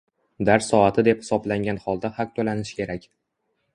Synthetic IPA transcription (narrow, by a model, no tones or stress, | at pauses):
d̪aɾsɒat̪ʰɪd̪e̞phɪsɒblaŋɡʲanχɒlˠd̪ahɑq̚t̪ʰolanɪʃkʲʰe̞ɾakʲ